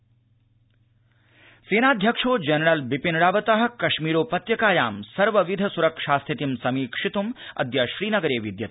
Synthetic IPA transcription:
seːnaːd̪ʱjɐkʂoːd͡ʒɐnɐɾɐlʋipinɽaːʋɐt̪ɐɦɐ̆kɐʃmiːɾoːpɐt̪jɐkaːjaːmsɐɾʋɐʋid̪ʱɐsuɾɐkʂaːst̪ʰit̪imsɐmiːkʂit̪umɐ̰d̪jɐʃɾiːnɐɡɐɾeːʋid̪jɐt̪

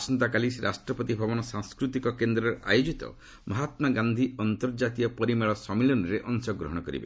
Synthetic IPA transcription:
sɔnt̪akalisɾʔa̰sʈɾɔpɔt̪ibʱabɔnɔsaŋskɾut̪ikɔkend̪ɾɔɾa̰jod͡ʒit̪ɔ̰ | mɔɦat̪mɔɡand̪ʱiɔnt̪ɔɾd͡ʒat̪ijɔpɔɾimeɭɔsɔmilɔnɔɾeʔɔŋsɔɡɾɔɦɔɽ̃ɔkɔɾḭbḛ

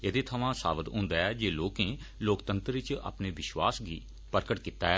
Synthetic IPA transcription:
eːd̪eːt̪ʰəʋãːsa̰ːʋət̪ɦʊ̃ːnd̪aːɛːd͡ʒeːloːkẽː | loːkt̪ənt̪ɾɪt͡ʃa̰ːpneːʋɪʃwaːsɡiː | pəɾkəʈkit̪aːɛː

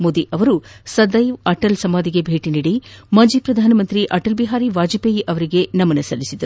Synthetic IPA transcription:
moːd̪iʔɐʋɐɾusɐd̪ɐjʋɐʈɐlsɐmaːd̪iɡebʱe̞ːʈiniːɽimɐd͡ʒipɾɐd̪ʱaːnɐmɐnt̪ɾiʔɐʈɐlbiɦaːɾiʋaːd͡ʒipeːjiʔɐʋɐɾiɡe̞nɐmɐnɐsɐlːisid̪ɐɾuu

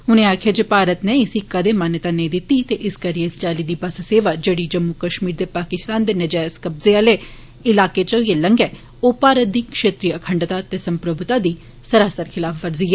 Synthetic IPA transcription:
ʊnẽːaːkʰjaːd͡ʒeːpaːɾət̪neɪsiːkəd̪eːmaːnət̪aːnẽːd̪ɪt̪ːiːt̪eːʔɪskəɾieɪst͡ʃaːliːd̪iːbəsseːʋaːd͡ʒeːɽiːd͡ʒəmːukəʃmiːɾd̪eːpaːkɪst̪aːnd̪eːnɪd͡ʒaːskəbzealeː | ɪlaːkeːt͡ʃoːiːeːləŋɡɛː | oːpaːɾət̪̚d̪iːkʃeːt̪ɾiːəkʰəɳɖt̪at̪eːsəmpɾəbt̪aːd̪iː | səɾaːsəɾkʰɪlaːfʰʋəɾziːɛː

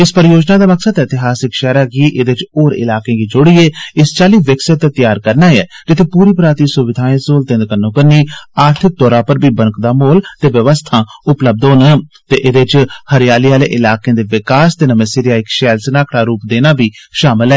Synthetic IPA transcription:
ɪspəɾjoːd͡ʒnaːd̪aːməksəd̪ɛɪt̪ɪɦaːsɪkʃɛːɾaːɡiːʔɪd̪et͡ʃoːɾɪ̰laːkẽːɡiːd͡ʒʊɽieːɪst͡ʃaːliːʋɪksət̪ːet̪jaːɾkəɾnaːjɛːd͡ʒɪt̪ʰeːpuːɾiːpɾaːt̪iːsʊʋɪd̪ʱaːĩːsoːlt̪ẽnd̪kənːõːkəɾniːaːɾt̪ʰɪk̚d̪ɔːɾãːpəɾbiːbənkd̪aːmoːlt̪eːʋjəʋəst̪ʰãːʊpləb̚d̪oːnt̪eːʔɪd̪eːt͡ʃhəɾjaːliːaːleːʔɪlaːkẽːd̪eːʋɪkaːst̪eːnəmẽːsɪːɾɪjaːɪkʃɛːlsənaːkʰɽaːɾuːpd̪eːnaːbiːʃaːmɪlɛː

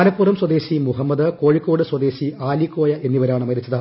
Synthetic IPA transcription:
alɐpːuːrɐmswɐd̪e̞ːɕimuɦɐmːɐd̪ɨko̞ːɻikːo̞ːɽɨswɐd̪e̞ːɕiaːlikːo̞ːjɐʔe̞nːiʋɐɾaːɳɨmɐɾit͡ɕːɐðɨ

